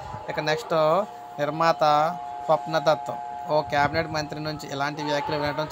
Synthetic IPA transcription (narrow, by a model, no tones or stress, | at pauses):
ikɐneksʈo | niɾmaːt̪ɐ | pɐpnɐd̪ɐt̪ːu | oːkjaːbineʈmɐnt̪ɾinuɲt͡ʃiʔɛlaːɳʈiʋjaːkluʋɛnɐʈɐm